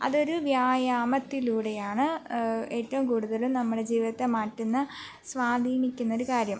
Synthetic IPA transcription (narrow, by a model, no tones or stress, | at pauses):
ɐ̰ðo̞ɾuʋjaːjaːmɐt̪ːiluːɽe̞jaːɳɨe̞ːtːɐʋumkuːɽuðɐlumnɐmːuɽe̞d͡ʑiːʋiðɐt̪ːe̞maːʈːunːɨ | sʋaːd̪ʱiːnikʲːunːɐo̞ɾukaːɾjɐm